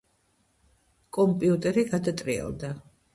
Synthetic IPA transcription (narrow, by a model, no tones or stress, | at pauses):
kʼɔmpʼiut̪ʼɛɾiɡad̪at̪ʼɾiɛ̰lˠd̪a